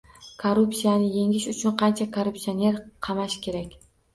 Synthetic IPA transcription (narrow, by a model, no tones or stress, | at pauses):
kʰoɾʊpsijanɪje̞ŋɪʃʊt͡ʃʰʊnqʰɑnt͡ʃʰakʰoɾupsio̞ne̞ɾqʰɑmaʃkʲʰe̞ɾakʲ